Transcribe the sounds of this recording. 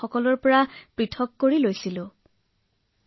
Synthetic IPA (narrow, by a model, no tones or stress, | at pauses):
ɔkɔlɔɹpɔɹapɹitʰɔkːoɹilojsilʊ